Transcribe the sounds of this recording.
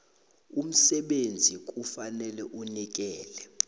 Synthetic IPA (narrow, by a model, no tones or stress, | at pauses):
um̩sɛɓend͡zʱik̬ʼufanɛlɛʔunik̬ɛːlɛ